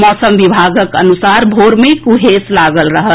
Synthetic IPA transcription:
mɔːsəmʋibʱaːɡəkə̰nusaːɾbʱoːɾmekuɦeslaːɡəlɾəɦə

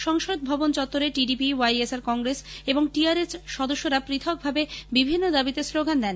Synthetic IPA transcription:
ʃɔŋʃod̪̚bʱɔbont͡ɕɔt̪ːoɾeʈiɖipiwajesaɾkɔŋɡɾeseboŋʈiaɾet͡ɕʃɔd̪oʃːoɾapɾit̪ʰok̚bʱabebibʱinːod̪abit̪esloɡand̪ɛn

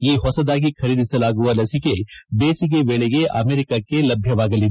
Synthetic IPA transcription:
jeiɦɔːsɐd̪aːk̬ixʰɐɾiːd̪selaːɡualɐsikebeːsik̬eʋeːɭeɡeʔa̰ːmeːɾɪkakelɐbʱjɐʋaːɡɐliː

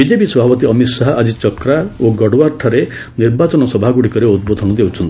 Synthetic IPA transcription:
bid͡ʒepisɔbʱapɔt̪iɔmit̪saɦɔʔad͡ʒit͡ʃɔkɾaoɡɔɽwaɾʈʰaɾeniɾbat͡ʃɔnɔsɔbʱaɡuɽikɔɾeud̪̚bod̪ʱɔnɔd̪ewt͡ʃʰɔnt̪i

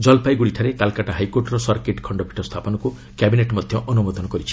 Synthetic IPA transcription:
d͡ʒɔlpajɡuɽiʈʰaɾekalkaʈaɦajkoɾʈɔɾɔsɔɾkeʈkʰɔɳɖɔbʱi̥ʈʰɔst̪ʰapɔnɔku | kjabineʈmɔd̪ʱjɔʔɔnumɔd̪ɔnɔkɔɾit͡ʃʰi̥

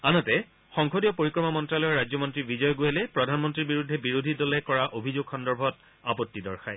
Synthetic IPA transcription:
anɔtɛ | xɔŋxʰodijɔpoɹikɹɔmamɔntɹalɔɹad͡ʑjɔmɔntɹibid͡ʑɔjɔɡoɦɛlɛpɹɔdʱanmɔntɹiɹbiɹudʱːɛbiɹodʱidɔlɛkɔɹaʔobʱizoɡxɔndɔɹbʱɔt | apotːidɔɹxʰaj

